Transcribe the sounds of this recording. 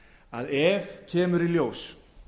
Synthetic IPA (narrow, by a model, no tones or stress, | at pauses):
aðɛːvcʰɛːmʏɾiljoːws